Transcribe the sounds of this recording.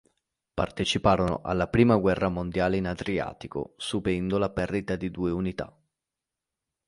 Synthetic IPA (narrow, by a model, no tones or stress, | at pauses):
pa̰rt̪et͡ʃipaːɾono̰ʔa̰lːapɾiːmaɡwɛrːamond̪jaːleinad̪ɾia̰ːt̪iko̰supɛnd̪olapɛrd̪it̪ad̪id̪uːeunit̪a̰